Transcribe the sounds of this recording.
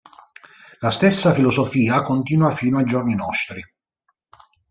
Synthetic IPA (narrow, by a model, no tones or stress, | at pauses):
last̪esːafilɔzofiːakont̪iːnwafiːnoajd͡ʒorninɔst̪ɾi